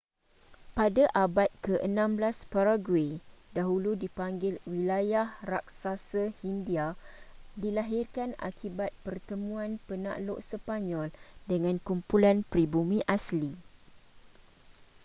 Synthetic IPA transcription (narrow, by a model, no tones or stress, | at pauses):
padaʔabat̪̚kəʔənãmblaspaɾaɡwedaɦuludipaŋɡɪlwilajahrak̚sasəhindia | dilaɦirkana̰kʰibat̪̚pərt̪əmũãnpəna̰ʔlo̰ʔsəpaɲɔldəŋãnkumpulanpɾibumĩʔasli